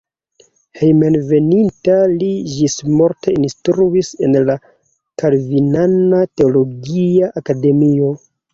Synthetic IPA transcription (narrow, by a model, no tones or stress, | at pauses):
hejmenve̞nintalid͡ʒismo̞ɾtʰe̞instɾuise̞nla | kalvinanate̞olo̞ɡiaʔakade̞mio̞